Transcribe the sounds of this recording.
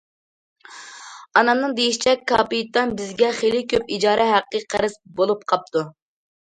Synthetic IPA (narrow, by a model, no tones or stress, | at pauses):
ɑnɑmnɨŋd̪ejiʃi̥t͡ʃʰɛkʲʰːɑːpijt̪ːɑnbɪzɡʲɛχelɪkʲʰøpid͡ʒɑːɾʔɛɦæqːəqʰæɾɪsbolˠup̚qʰɑp̚t̪u